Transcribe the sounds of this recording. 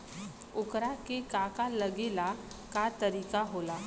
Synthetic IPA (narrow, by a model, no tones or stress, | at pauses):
ukɾakekakaləɡela | kat̪əɾikaɦola